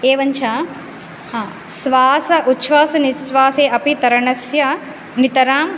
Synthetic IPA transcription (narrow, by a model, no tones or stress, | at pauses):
eːʋɐɲt͡ʃʰaː | sʋaːsɐʔut̪ːʃʋaːsɐnisʋaːseːʔɐpit̪ɐɾɐɳɐsjɐ | nit̪ɐɾaːm